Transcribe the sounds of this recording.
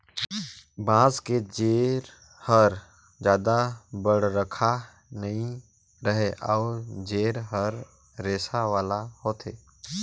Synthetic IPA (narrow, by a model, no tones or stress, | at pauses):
bãːsked͡ʒeːɾ | həɾ | d͡ʒjaːd̪abəɽɾəkʰa | nəĩ | ɾəɦeʔɔːɾd͡ʒeːɾɦəɾ | ɾeːsaʋaːlahoːt̪eː